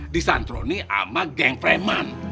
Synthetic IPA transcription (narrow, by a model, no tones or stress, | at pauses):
disa̰nt̪ɾo̰niʔa̰maɡɛŋfɾɛman